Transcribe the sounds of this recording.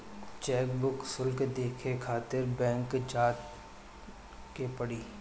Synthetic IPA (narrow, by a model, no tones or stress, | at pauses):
t͡ʃɛːkbʊksʊlked̪eːkʰekʰaːt̪ɪɾbɛ̃ːŋkd͡ʒaːt̪ | kepɐɽiː